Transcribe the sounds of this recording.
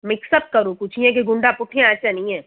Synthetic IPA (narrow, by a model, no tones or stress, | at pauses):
mɪksəb̚kɐɾokʊt͡ʃʰiɛ̃k̬eɡʊ̃ɳɖapʊʈʰːẽaːt͡ʃanɐĩɦɛ̃ː